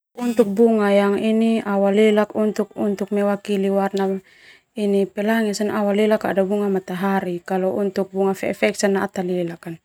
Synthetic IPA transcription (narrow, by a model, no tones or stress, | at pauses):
unt̪uk̚buŋajaŋiniawalɛlakunt̪uk̚unt̪uk̚mɛwakiliwarna | inipɛlaŋɛsanawalɛlaka̰dabuŋamat̪aɦaɾikalɔunt̪uk̚buŋafɛɛ̰fɛk̚sanaːt̪alɛlakan